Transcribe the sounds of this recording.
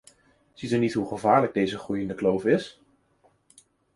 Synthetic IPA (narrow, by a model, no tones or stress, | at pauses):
z̥itynitɦuχəvaːɹləɡ̚dejzəχrujɪndəklowfɪs